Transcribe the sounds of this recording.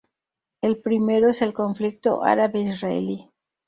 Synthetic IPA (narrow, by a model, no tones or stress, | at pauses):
elpɾimeɾoese̞lko̞ɱflik̚t̪o̰ʔa̰ɾaβeisraḛli